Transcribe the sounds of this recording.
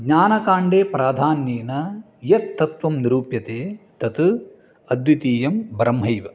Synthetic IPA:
ɡɲaːnɐkaːɳɖeːpɾaːd̪ʱaːnjeːnɐ | jɐt̪t̪ːɐt̪ʋɐmniɾuːpjɐt̪eːt̪ɐt̪u | ɐd̪ʋit̪iːjɐmbɐɾɐmɦɐjʋɐ

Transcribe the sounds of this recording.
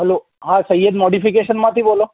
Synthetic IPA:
ɦɛlo | ɦãsəjːəd̪moɽifikeʃənmãt̪ʰibolo

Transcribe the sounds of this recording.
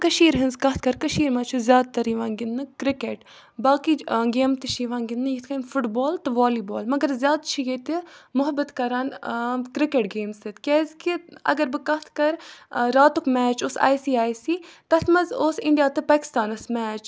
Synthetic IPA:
kɐʃiːɾɦɨnzkɐt̪̚ʰkɐɾkɐʃiːɾmɐt͡ʃʰuzjaːd̪̚t̪ɐɾiʋãːnɡɪnːɨkɾɪkeːʈ | baːkiɡeːmt̪ɨʃʰiʋãːnɡɪnnɨjit̪ʰkɐnfʊʈboːlt̪ɨʋaːliːboːlmɐɡɐɾzjaːd̪t͡ʃʰiɡet̪ɨmʊɦɐbɨt̪kɐɾaːnkɾɪkeʈɡeːmsɨt̪kʲɛːzkiɐ̰ɡɐɾbɨkɐt̪ʰkɐɾɾaːt̪ukmɛːt͡ʃoːsa̰ːjsiːaːjsiːt̪ɐt̪ʰmɐzoːsɪ̃ɳɖijaːt̪ɨpaːkɪ̥st̪aːnɐsmɛːt͡ʃ

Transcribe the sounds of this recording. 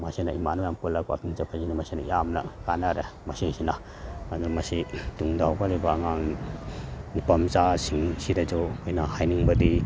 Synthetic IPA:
masinɐimanujamkulakwa̰kiŋzapʰazinɐmɐsinɐijamnɐ̰kanaɾemɐsiŋsinɐ | azumɐsituŋdawkalibaːŋaŋ | nipɐmt͡ʃasiŋsiɾad͡ʒɔkʰojnɐhajniŋbɐdi

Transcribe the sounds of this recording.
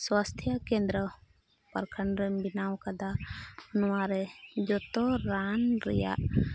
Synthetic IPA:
swast̪ʰjakɛ̃nd̪ɾə | paɾkʰəɳɾɛbinawkad̪aɔnuwaɾɛd͡ʒɔt̪ɔɾanɾɛ̰ja̰ʔ

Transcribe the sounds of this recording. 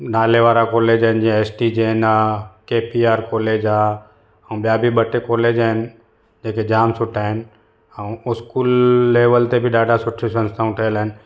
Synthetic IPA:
naːleʋaːɾakoːleːd͡ʑaɦɪnd͡ʑĩeːsʈid͡ʑeːnakeːpiaːɾkoːleːd͡ʑaː | ɛ̃ũɓijabʱiɓɐʈekoːleːd͡ʑaːɦɪnɪ̆ | d͡ʑeːked͡ʑaːmsʊʈʰaːɦɪnɪ̆ | ɛũʊskuːlːeːʋəlt̪ebɪɗaːɖʱasʊʈʰisɐ̃nst̪ʰaːũʈʰɐəlaɦɪnɪ̆

